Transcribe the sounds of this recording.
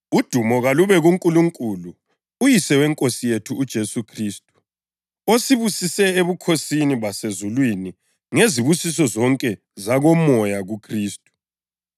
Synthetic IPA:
ud̥ʱumɔɣaluβɛɣuŋkʼuluŋkʼulu | ujisɛwɛŋkʼosijetʰuːd̥ʒ̥ʱesukʰriːstʼu̥ | osiβusisɛeβukʰosiniβasezulwini | ŋeziβusis̬ɔzɔŋkʼɛ | zaɣɔmɔjaɣukʰriːstʼu̥

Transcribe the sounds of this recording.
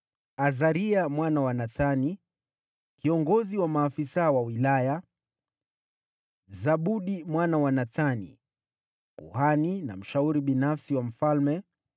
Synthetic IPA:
azaɾiamwanawanaθani | kiɔŋɡɔziwamaːfisawawilaja | zaɓuɗimwanawanaθanḭ | kṵhanina̰m̩ʃauɾiɓinafsiwam̩falmɛ

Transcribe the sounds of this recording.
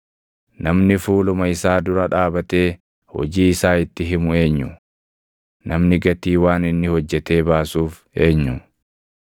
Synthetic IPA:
nɐmnɪfuːlʊmɐɪsaːd̪ʊɾɐᶑaːbɐt̪e̞ː | hɔ̰d͡ʒiːɪsaːɪt̪ːɪɦɪmʊe̞ːɲːʊ | nɐmnɪɡɐt̪iːwaːnɪnːɪhɔd͡ʒːɛt̪e̞ːbaːsuːf | e̞ːɲːʊ

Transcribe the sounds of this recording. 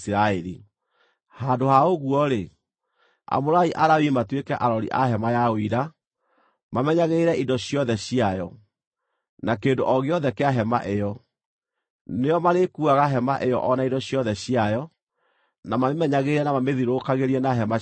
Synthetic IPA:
sɾaɛɾḭ | haːdohaoɣuɔɾe | a̰moɾaiʔaɾawimatwekɛʔaɾɔɾḭʔaɦɛmajaoiɾa | mamɛɲaɣeiɾɛʔidɔɕiɔðɛɕiajɔ | nakeːndoʔɔɣeɔðɛkɛaɦɛma̰ʔejɔ | nejɔmaɾekuaɣaɦɛmaʔejɔ̰ʔɔnaidɔɕjɔðɛɕiajɔ | namamemɛɲaɣeiɾɛnamameðiɾokaɣeɾiɛnaɦɛma

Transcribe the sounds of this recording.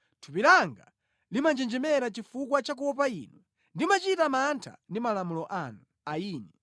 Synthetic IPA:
tʰupiɾaŋɡa̰ | limand͡ʒɛnd͡ʒɛmɛɾat͡ʃifukwat͡ʃak̬uwɔpaiːnu | ndimat͡ʃitamantʰa̰ndimalamulɔʔanu | aiːnɛ

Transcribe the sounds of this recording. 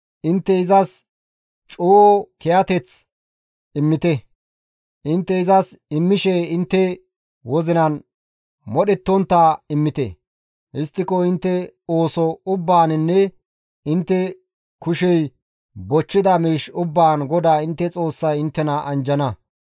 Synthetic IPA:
ʔɪnt̪ːɛɪzɐs | t͡ʃʼoːkɛjɐt̪ɛt͡s | ɪmːɪt̪ɛ | ʔɪnt̪ːɛɪzɐsɪmːɪʃeɪnt̪ːɛ | wɔzɪnɐn | mɔɗɛt̪ːɔnt̪ːaːɪmːɪt̪ɛ̰ | hɪst̪ːɪkɔɪnt̪ːɛoːsɔʊbːaːnɪnːɛ | ɪnt̪ːɛ | kʊʃɛj | bɔt͡ʃːɪd̪ɐmiːʃʊbːaːnɡɔd̪aːɪnt̪ːɛt͡sʼo̞ːsːɐjɪnt̪ːɛnɐʔɐnd͡ʒɐnɐ

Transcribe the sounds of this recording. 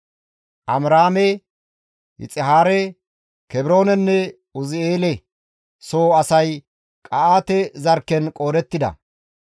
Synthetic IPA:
ʔɐmɾaːmɛ | hɪ̰t͡sʼɪɦaːɾɛ | kɛbɪɾo̞ːnɛnːɛ | ʊzɪeːlɛ | soːɐsɐj | kʼɐaːt̪ɛzɐɾkːɛnkʼo̞ːd̪ɛt̪ːɪd̪ɐ̰

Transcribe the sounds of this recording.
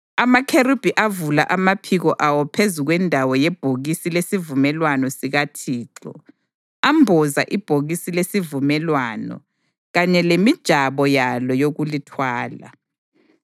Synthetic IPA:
amakʰeɾub̥ʱiʔavulaʔamapʰiɣɔʔawɔpʰezuɣwɛndʱawɔjɛb̥ʱoɣisilesivumɛlwanɔsiɣatʰiːǁɔ̰ | ambʱɔza̰ʔib̥ʱoɣisilesivumɛlwanɔ̰ | ɣaɲɛlemid̥ʒ̥ʱaβɔjalɔjoɣulitʰwaːla̰

